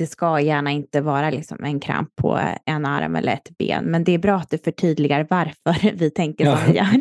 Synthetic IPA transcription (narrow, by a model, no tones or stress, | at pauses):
d̪ɛskajæːɳaɪnt̪əvɑːɾalɪksɔmɛnkʰɾa̰mpʰːɔ̰ɛna̰ɾmɛ̰lːə̰ɾɛt̪bḛːnmɛnd̪ɛːɾbɾɑːat̪̚d̪ɵfœʈʰyːd̪lɪɡaɾvaɾfœɾvɪt̪ʰɛŋkəɔjɑːɾ